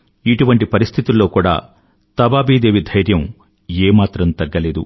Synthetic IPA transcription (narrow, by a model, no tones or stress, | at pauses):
iʈuʋɐɳʈipɐɾist̪ʰit̪ulːo̞ːkuːɽa̰ː | t̪ɐbaːbiːd̪eːʋid̪ʱɐjɾjɐm | eːmaːt̪ɾɐmt̪ɐɡːɐle̞ːd̪ṵ